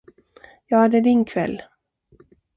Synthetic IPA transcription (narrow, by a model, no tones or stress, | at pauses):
jɑːhad̪ɛd̪ɪnkʰvɛ̰lː